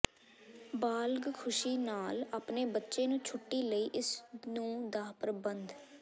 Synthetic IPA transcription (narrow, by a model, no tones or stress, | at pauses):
baːlɡkʰʊʃiːnaːlaːpneːbətːʃeːnũːt͡ʃʰʊʈːiːləiːʔɪsnũːd̪aːpəɾəbənd̪